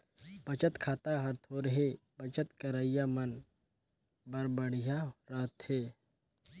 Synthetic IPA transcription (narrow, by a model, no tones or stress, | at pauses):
b̥ət͡ʃət̪kʰaːt̪aɦəɾt̪ʰoːɾɦebət͡ʃət̪kəɾaːɪjamən | bəɾbəɽijaɾaːt̪heː